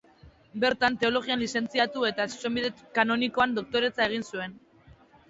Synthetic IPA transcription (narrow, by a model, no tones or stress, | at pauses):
be̞ɾt̪ant̪e̞o̞lo̞ɣ̞ianlise̞nt͡siat̪ue̞t̪asu̥se̞mbiðekano̞niko̞and̪o̞k̚t̪o̞ɾe̞t͡sae̞ɣ̞insue̞n